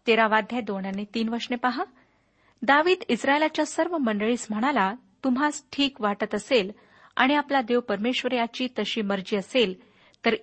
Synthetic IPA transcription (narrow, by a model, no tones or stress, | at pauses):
t̪eɾaʋad̪ʱjad̪oɳanet̪iːnʋəɾʂnepaɦa | d̪aʋiːd̪isɾaelat͡ɕjasəɾʋəməɳɖəɭiːsm̤əɽ̃ala | t̪um̤ɦasʈʰiːkʋaʈət̪əsel | a̰ɽ̃iaplad̪eʋwpəɾmeɕʋəɾjat͡ɕiːt̪əɕiːməɾd͡ʑiːəsel | t̪əɾ